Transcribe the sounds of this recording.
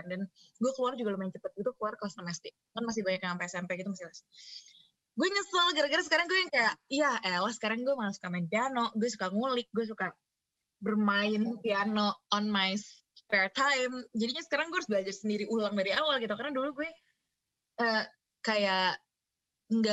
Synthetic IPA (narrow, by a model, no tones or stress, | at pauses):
andanɡuɛkəluard͡ʒuɡaləmaɪnt͡ʃəpət̪̚ɡit̪ukluarkalost̪əmast̪ɪk̚ | kanmas̬ɪhbaɲakaŋampɛsampɛɡit̪umasɪlas | ɡuɛɲəsalɡaɾaɡaɾasəkaɾaŋɡuɛjaŋkajaʔijaɛlasə̥kaɾaŋɡuɛmaŋasu̥kamaɪnpianoɡuɛs̬ukaŋulɪk̚ɡuɛs̬uka | bərmaɪnpianɔɔnmajs | pɛrt̪ʰajmd͡ʒadiɲasə̥kaɾaŋɡuɛaɾus̬blad͡ʒarsəndiɾiʔulaŋdaɾiawalɡit̪ukarnaduluɡuɛ | ə | kajaʔ | ŋɡa